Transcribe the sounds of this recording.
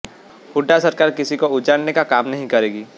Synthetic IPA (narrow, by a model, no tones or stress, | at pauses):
hʰʊɖːasɐɾkaːɾkɪsikoʊd͡ʒaːɽnekakaːmnɐɦĩkɐɾeːɡiː